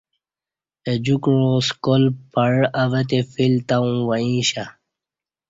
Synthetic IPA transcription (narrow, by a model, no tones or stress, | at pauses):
ed͡ʑukɻoskolpɐɻɐʋɐt̪efilt̪aũwɐĩːɕa